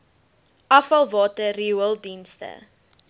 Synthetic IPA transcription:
ʔɐfɐlˠvɑːtəriuəlˠdinstə̰

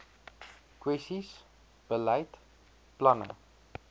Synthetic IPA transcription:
kwɛsis | b̥əlaɪt | planə̰

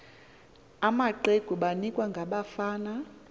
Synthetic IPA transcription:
amaǃeɡ̥ʱuɓanikʼwaŋɡʱaɓafaːna

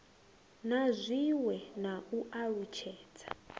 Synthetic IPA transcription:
nazʷiwɛnauaɺut͡ʃʰɛːt͡sʰḁ

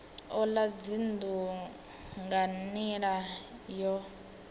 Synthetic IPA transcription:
ɔlad͡zindu | ŋɡaniɺajɔ

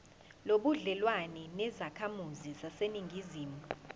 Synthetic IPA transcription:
loɓuɮɛlwanɛnɛzakʰamuzizaseniŋɡʱiziːmuu

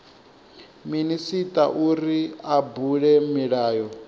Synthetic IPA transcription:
minisitʼaʔuɾiabuɺɛmiɺaːjɔ

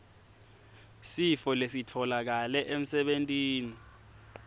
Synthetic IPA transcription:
sifɔlesitʰɔlak̬alɛʔem̩sɛɓentʼiːni

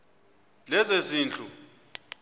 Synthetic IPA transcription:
lɛzesiːnt͡ɬʼu

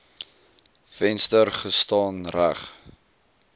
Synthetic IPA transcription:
fɛnstərχəstɑːnræ̰χ

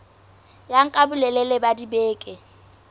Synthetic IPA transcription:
jaŋ̩kʼabʊlɛlɛlɛbadibeːkʼɪ

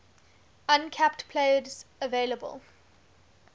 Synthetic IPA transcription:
ãnkʰɛptpʰl̥eɪdzəveɪləbə̰lˠ

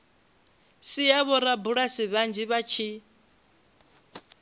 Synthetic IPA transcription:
sijaβɔɾabuɺasiβand͡ʒiβat͡ʃʰi

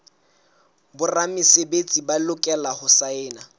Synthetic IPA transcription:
bʊramɪsebet͡sʼibalʊkʼɛlahʊsaɪːna

